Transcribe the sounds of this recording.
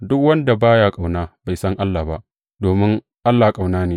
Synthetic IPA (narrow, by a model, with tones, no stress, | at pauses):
dʊ˦kwɐ˦nda˨baː˦jaː˦kʼa˨wnaː˦ba˨jsɐ˦ŋʔa˦lːaː˨ba˦ʔ | doː˨mɪ˦ŋ | ʔa˦lːaː˨kʼa˨wnaː˦neː˨